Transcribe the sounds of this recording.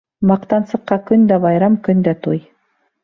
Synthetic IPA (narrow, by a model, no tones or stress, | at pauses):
mɑqt̪ɑnsɤ̆qːɑkɵnd̪æbɑjɾɑmkɵnd̪æt̪ʰuj